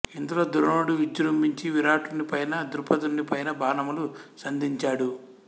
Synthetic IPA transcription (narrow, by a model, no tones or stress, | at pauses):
ind̪ulo̞ːd̪uɾɐnoːɽuʋid͡ʒuɾumbiɲt͡ʃiʋiɾaːʈunːipɐjnɐd̪uɾpɐd̪uɳːipɐjnɐbaːnɐmulusɐnd̪ʱiɲt͡ʃaːɽu